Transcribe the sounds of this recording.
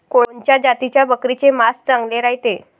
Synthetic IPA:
koɭoɲt͡ɕjad͡ʑat̪it͡ɕjabəkɾit͡semast͡sãŋɡleɾaɦit̪e

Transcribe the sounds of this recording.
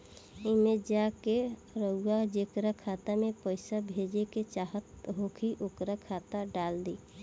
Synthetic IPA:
ɪmed͡ʒake | ɾəad͡ʒekɾakʰaːt̪amẽpəɪsabʱed͡ʒeket͡ʃaːɦət̪ɦokʰiʔokɾakʰaːt̪aɖaːld̪iː

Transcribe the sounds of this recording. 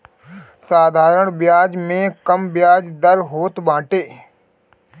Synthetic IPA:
saːd̪ʱaːɾəɳ̃bjaːd͡ʒmẽːkəmbjaːd͡ʒd̪əɾɦoːt̪bãːʈeː

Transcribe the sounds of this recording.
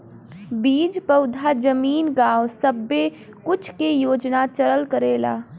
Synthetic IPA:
biːd͡ʒpəʊd̪ʱad͡ʒəmiːnɡaːwsəbːe | kʊt͡ʃʰkejoːd͡ʒnat͡ʃəɾəlkəɾeːla̰ː

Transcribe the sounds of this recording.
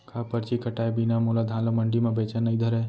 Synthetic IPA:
kʰapəɾt͡ʃikəʈaebinamolad̪ʱãləməɳɖimebet͡ʃənəjd̪ʱəɾɛ

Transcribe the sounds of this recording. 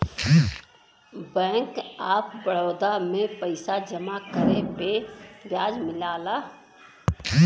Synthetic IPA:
bɛ̃ːŋkaːpbəɭ̤ɔːd̪amẽpəɪsad͡ʒəmakəɾẽpebjaːd͡ʒmɪlaːlaː

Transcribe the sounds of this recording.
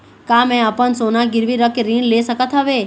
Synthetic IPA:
kamɛ̃əpənsonaɡɪɾʋiɾəkeɾĩnlesəkət̪ɦəʋe

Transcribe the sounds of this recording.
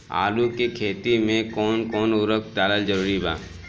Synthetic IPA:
a̰ːlukekʰeːt̪imẽkɔːnkɔːnʊɾək̚d̪aːləld͡ʒəɾuːɾiba̰ː

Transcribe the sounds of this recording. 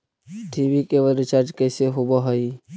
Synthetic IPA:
ʈʰibikeʋəlɾɪt͡ʃaɾd͡ʒkəɪseɦobəɦəi

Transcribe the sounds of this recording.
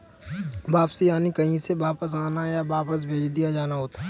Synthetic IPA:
baːpsijaːnikɐɦĩsebaːpəs̬aːnajabaːpəs̬bʱeːd͡ʒd̪ijad͡ʒaːnaɦoːt̪aɦ

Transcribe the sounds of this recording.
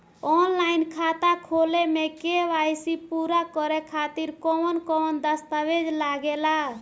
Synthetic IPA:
ɔnlainkʰat̪akʰolemekeʋajsipuɾakɔɾɛkʰat̪iɾkɔnkɔnd̪əst̪aʋed͡ʒlaɡela

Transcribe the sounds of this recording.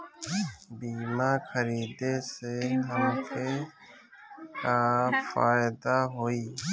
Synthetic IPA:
biːmakəɾiːd̪eseɦəmkʰe | kaːfa̰ːɪd̪aɦoːiː

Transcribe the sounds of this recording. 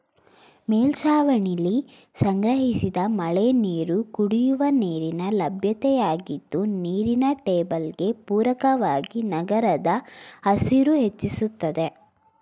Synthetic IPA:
meːlt͡ʃaːʋɐɳili | sɐŋɡɾɐɦisid̪ɐmɐɭeniːɾukuɽijuʋɐniːɾinɐlɐbʱjɐt̪ɛjaːɡid̪ːuniːɾinɐʈeːbɐlɡe̞puːɾɐkɐʋaːɡinɐɡɐɾɐd̪ɐːsiɾuɦe̞t͡ʃːisut̪ːɐd̪e̞

